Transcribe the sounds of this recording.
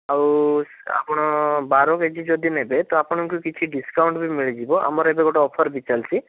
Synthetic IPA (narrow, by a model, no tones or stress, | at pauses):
aɾu | a̰pɔɽ̃ɔbaɾɔked͡ʒʰid͡ʒɔd̪inɦebet̪ɔapɔñɔŋkukit͡ʃʰiɖiskawɳʈbimiɭid͡ʒibɔʔa̰mɔɾebeɡɔʈaɔpʰɔɾbit͡ʃalsi